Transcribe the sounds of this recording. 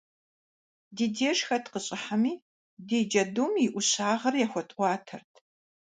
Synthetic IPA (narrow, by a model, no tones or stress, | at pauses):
diːdeːʂxɐtqəɕʼɪħamiː | deːd͡ʒɐdumɪʔʷʊɕaːʁɐrjaxʷɔtʼʷɑːtʰɐ̰rtʰ